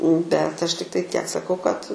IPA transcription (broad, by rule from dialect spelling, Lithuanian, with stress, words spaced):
bʲɛt ˈɐʃ tʲɪkˈtɐɪ tʲiɛk sɐˈkɐʊ kɐt